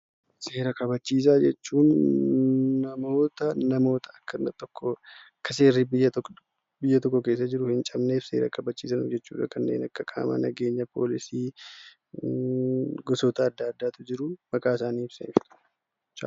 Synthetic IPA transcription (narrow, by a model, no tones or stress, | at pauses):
se̞ːɾɐkʰʼɐbɐt͡ʃːiːs̬aːd͡ʒɛt͡ʃːuːnː | ɐmo̞ːt̪ɐnɐmo̞ːt̪ʰɐɐkːɐnːɐt̪ːɔkːɔɐkːɐse̞ːɾːibɪːɐ | bɪjːɐt̪ɔkːɔke̞ːs̬ːɐd͡ʒɪɾʊhɪnt͡ʃʼɐmne̞ːfse̞̰ːɾɐ̰kʰʼɐbɐt͡ʃːḭːsɐnʊ̰d͡ʒɛt͡ʃːṵːᶑɐkʰɐnːe̞̰ːnɐkːɐkʼa̰ːmɐ̰nɐɡe̞ːɲːɐpʰo̞̰ːlɪsiː | ɡɔsot̪ɐːd̪ːaːd̪ːaːt̪ʊd͡ʒɪɾʊmɐkʼaːɪsaːniːɪbsefɪᶑ̪ɐ̥ | t͡ʃa̰ː